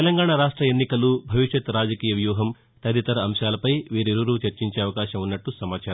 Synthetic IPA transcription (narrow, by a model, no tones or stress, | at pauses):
t̪elɐŋɡaːɳaɾaːʂʈɾɐenːikɐlubʱɐʋiʃjɐt̪ɾaːd͡ʒɐkiːjɐʋjuːɦɐm | t̪ɐd̪it̪ɐɾɐːmʃaːlɐpɐjʋiːɾiɾuɾuːt͡ʃɐɾt͡ʃiɲt͡ʃeːɐʋɐkaːʃɐmunːɐʈːusɐmaːt͡ʃaːɾɐ